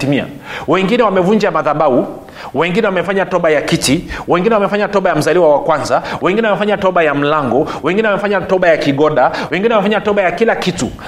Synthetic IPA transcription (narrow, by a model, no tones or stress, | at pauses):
imia̰ | wɛŋɡinɛwamɛvuɲd͡ʒamaðaɓau | wɛŋɡinɛwamɛfaɲatɔɓajakitiwɛŋɡinɛwamɛfaɲatɔɓajam̩zaliwawakwanzawɛŋɡinɛwamɛfaɲatɔɓajam̩laŋɡɔwɛŋɡinɛwamɛfaɲatɔɓajakiɠɔɗawɛŋɡinɛwamɛfaɲatɔɓajakilakitṵ